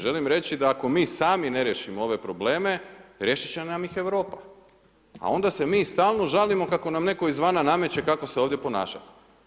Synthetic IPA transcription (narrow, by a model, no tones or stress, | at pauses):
ʒe̞limɾe̞t͡ɕid̪aːko̞miːsaːmine̞ɾjeʃimoo̞ʋe̞pɾo̞ble̞ːme̞ɾje̞ʃit͡ɕenamjixe̞ʋɾo̞ːpa | a̰o̞nd̪ase̞miːst̪aːlˠno̞ʒalimo̞kako̞namne̞ko̞izʋaːnaname̞t͡ɕe̞kako̞seo̞ːʋd̪je̞po̞na̰ːʃa̰t̪i̥